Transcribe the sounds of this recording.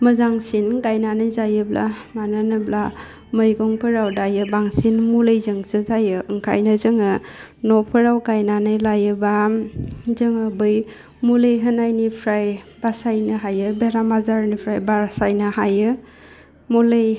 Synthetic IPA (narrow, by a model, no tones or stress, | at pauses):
məzaŋsinɡajnanɯjzajɯbla̰manɯnɯbla | mɯjɡɔŋpʰɯɾawdajɯbaŋsinmulɯjzɯŋsɯzajɯɯŋkʰa̰jnɯzɯŋɯnɔpʰɯɾawɡajnanɯjlajɯba | zɯŋɯbɯj | mulejɦɯnajnipʰɾajb̥asajnɯɦajɯbeɾamazaɾnipʰɾajbasajnɯhajɯ | mulej